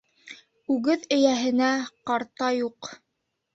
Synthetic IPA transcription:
ʉɡɘðɘ̆jæɦɘ̆næqɑɾt̪ɑjuq

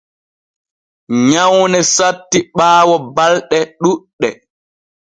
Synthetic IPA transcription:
ɲawnɛsatːiɓaːwɔbalɗɛɗuɗːɛ

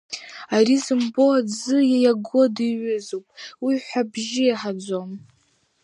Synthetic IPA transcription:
arizɨmboad͡zɨjajaɡʷodiɥʊzowpʼwiħʷabʒɪjaħad͡zʷom

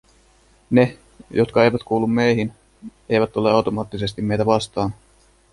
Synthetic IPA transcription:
ne̞ | jot̪kɑe̞jʋæt̪kuːlːumːe̞jɦin | e̞jʋæt̪ːoleɑwt̪o̞mɑːt̪ːise̞st̪imme̞jt̪æʋɑst̪ɑːn

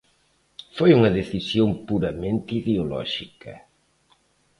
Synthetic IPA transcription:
fojuŋɐðeθisjoŋpuɾɐmẽnt̪iðeolɔ̰ʒikɐ

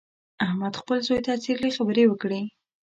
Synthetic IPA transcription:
ahmad̪xpəlzojt̪asiɾlixabəɾewəkɽi

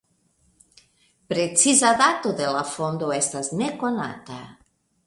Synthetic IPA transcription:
pɾet͡sizaðat̪oðelafond̪oɛst̪aznekona̰t̪a

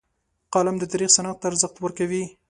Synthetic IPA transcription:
qɑlɪmd̪ət̪aɾixsanaq̚t̪ːaɾzəxt̪wəɾkawi

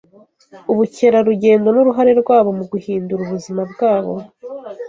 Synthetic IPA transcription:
uβuce̞ɾaɾuɟe̞ːndo̞nuɾuɦaɾe̞ɾɡwaːβo̞muɡuhiːnduɾuβuzimabɡaːβo̞̰

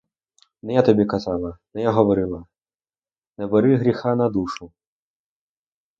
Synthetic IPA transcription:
nɔjat̪abʲɛkazalˠɐnɐjaɦɐvɐɾɨlˠɐ | nɐbɨɾɨɣɾʲixanɐd̪uʂu

